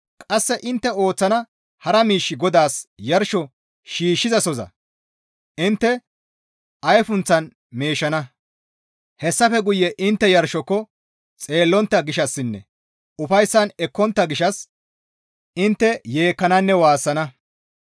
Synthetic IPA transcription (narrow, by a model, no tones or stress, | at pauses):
kʼɐsːɛʔɪnt̪ːɛo̞ːt͡sːɐnɐ | hɐɾɐmiːʃːɪɡɔd̪aːsjɐɾʃɔ | ʃiːʃːɪzɐsɔzɐ̰ | ʔɪnt̪ːɛ | ʔɐjfʊnt͡sːɐn | meːʃɐnɐ | hɛsːɐfɛɡʊjːɛʔɪnt̪ːɛjɐɾʃɔkːɔ | t͡sʼe̞ːlːɔnt̪ːɐɡɪʃɐsːɪnːɛ̰ | ʊfɐjsːɐnɛkːɔnt̪ːɐɡɪʃɐs | ɪnt̪ːɛje̞ːkːɐnɐnːɛwaːsːɐnɐ